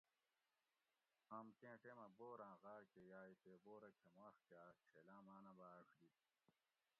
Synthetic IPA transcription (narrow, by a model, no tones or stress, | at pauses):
hɐmkẽːʈemɐboːɾãːɣaːɾkejaːit̪eboːɾɐkʰemaːʂkaːt͡ɕʰelãːmaːnɐbaːkʰd̪i